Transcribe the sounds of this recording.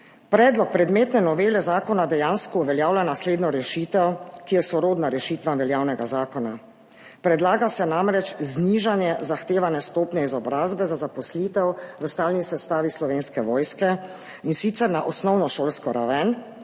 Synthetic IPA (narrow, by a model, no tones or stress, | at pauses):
pɾɛːd̪lɔk̚pɾɛd̪meːt̪nɛnɔʋeːlɛzaːkɔnad̪ɛjaːnskɔuʋɛljaːwlanasleːd̪nɔɾɛʃiːt̪ɛwkijɛsɔɾoːd̪naɾɛʃiːt̪ʋamʋɛljaːwnɛɡazaːkɔna | pɾɛd̪laːɡasɛnamɾɛt͡ʃzniːʒanjɛzaxt̪eːʋanɛst̪oːpnɛizɔbɾaːzbɛzazapɔsliːt̪ɛwʋəst̪aːlnisɛst̪aːʋislɔʋeːnskɛʋɔːjskɛ | insit̪sɛɾnaʔɔsnɔwnɔʃoːlskɔɾa̰ʋɛn